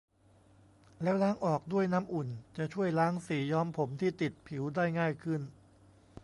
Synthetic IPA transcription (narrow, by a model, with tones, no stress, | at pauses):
lɛː˦˥wlaː˦˥ŋʔɔː˨˩k̚du˥˩əjna˦˥mʔu˨˩nt͡ɕa˨˩ʔt͡ɕʰu˥˩əjlaː˦˥ŋsiː˩˦jɔː˦˥mpʰo˩˦mt̪ʰiː˥˩t̪i˨˩t̪̚pʰi˩˦wdaː˥˩jŋaː˥˩jkʰɯ˥˩n